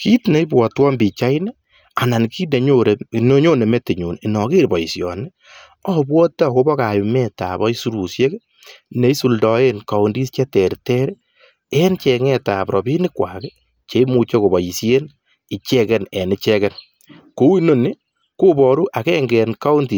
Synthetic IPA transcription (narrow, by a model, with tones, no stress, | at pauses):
ki˦tne˨i˦bwɔ˨twɔ˦mbi˨t͡ʃa˦ine˦ | a˨na˨nki˦ne˨ɲoɾe˨no˦ɲo˦ne˨me˦te˨ɲu˨ni˨nɔ˨ke˦ɾbɔ˨i˨sjɔ̰˨nɪ˦ | ɔ˦bwɔ˦ta˦˨ko˦bɔ˦ka˨jʊ˨mɛta̰˨bɔ˦i˦su˦ɾu˨sje˦k | ne˨i˦su˨ldɔ˨e˦nka˨u˨ndi˦st͡ʃɛ˦tɛ˨ɾtɛ˦ɾ | ɛ˦nt͡ʃɛ˨ŋɛ˦ta˨pɾɔ˨bi˦nɪ˦kwa̰˨ke | t͡ʃe˨˦mu˨t͡ʃe˦ko˨bɔ˨ji˨sje˦n | ɪ˨t͡ʃɛ˦kɛ˦nɛ˨nɪ˦t͡ʃɛkɛn | ku˦i˦no˦ni˦ | ku˦bɔ˨ɾu˦ʔa˨kɛ˦ŋɡɛ˨nka˦u˦ndi˨